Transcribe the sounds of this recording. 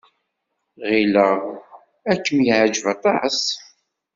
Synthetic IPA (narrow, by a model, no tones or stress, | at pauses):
ʁilə | ækːəmjiʕəd͡ʒvæt̪ˤɑʕəs